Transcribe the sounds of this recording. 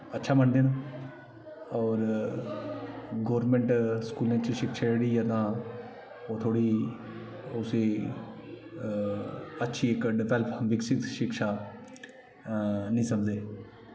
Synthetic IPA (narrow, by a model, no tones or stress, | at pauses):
ətːʃʰaːməɳd̪eːn | ɔːɾ | ɡoːɾmẽɳʈskuːlãːt͡ʃʃɪkʃaːeɽiːət̪ãː | oːt̪ʰoːɽiː | ʊseː | ətːʃʰiːɪkɖɪʋɛːləpʋɪksɪkʃɪkʃaː | nĩːsəmd͡ʒ̪eː